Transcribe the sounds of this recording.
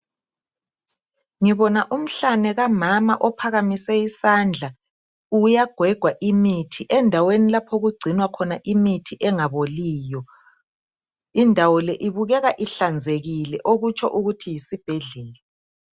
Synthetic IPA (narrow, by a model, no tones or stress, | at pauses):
ŋiβɔnaʔum̩ɬanɛɣamama̰ʔɔpʰaɣamisɛisand͡ɮʱa | ujaɡ̥ʱwɛɡ̥ʱwaʔimitʰiʔɛndʱawenilapʰoɣuɡ͡ǀʱinwakʰɔnaʔimitʰiʔɛŋaβoliːjɔ | indʱawɔlɛʔiβuɣɛɣaʔiɬand͡zʱeɣilɛʔoɣut͡ʃʰʼɔ̰ʔuɣutʰijisib̥ʱeɮɛːlɛ